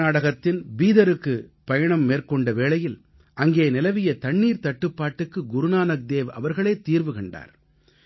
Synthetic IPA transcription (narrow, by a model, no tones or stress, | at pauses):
aːɽɐɣɐt̪ːɪnʋiːðɐɾɯkːɯpɐjɐɳɐmːeːɾkɔɳɖɐʋeːɭɐjɪl | ʔɐŋɡeːnɪlɐʋɪjɐt̪ɐɳːiːɾt̪ɐʈːɯpːaːʈːɯkːɯɡʊɾʊnaːnɐk̚d̪eːʋɐ̰ʋɐɾɣɐɭeːt̪iːɾʋɯkɐɳɖa̰ːɾ